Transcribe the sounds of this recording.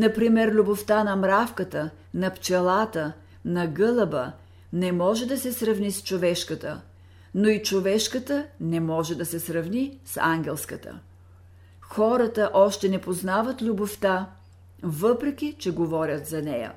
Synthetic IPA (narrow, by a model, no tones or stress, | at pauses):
nɐpɾimɛɾlʲuboft̪anɐmɾafkət̪ə | nɐpt͡ʃɛlˠat̪ə | nɐɡɤlˠəbə̰ | nɛmɔʒɛd̪ɐsɛsɾɐvnist͡ʃovɛʃkət̪ə̰ | noit͡ʃovɛʃkət̪ənɛmɔʒɛd̪ɐsɛsɾɐvnisa̰ŋɡʲɛlˠskət̪ə̰ | xɔɾət̪əʔɔʃt̪ɛnɛpoznavət̪lʲuboft̪a | vɤpɾɛkʲit͡ʃɛɡovɔɾʲət̪zɐnɛjə̰